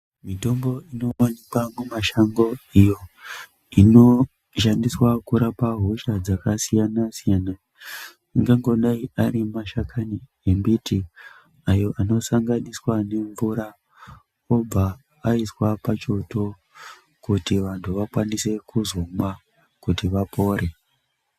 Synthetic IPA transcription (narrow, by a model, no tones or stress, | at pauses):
mito̞mbo̞ino̞onekwamumaʃaŋɡo̞ijo̞ | ino̞ | ʃandiswakuɾapaɦoʃad͡zakasijanasijana | iŋɡaŋɡo̞ɗaiaɾimaʃakʰani | embiti | ajo̞ʔano̞saŋɡaniswane̞ɱvuɾa | ob͡vaː | iswapat͡ʃo̞to̞ | kutiʋantʰuʋakwanise̞kuzoma | kutiʋapo̞ːɾe̞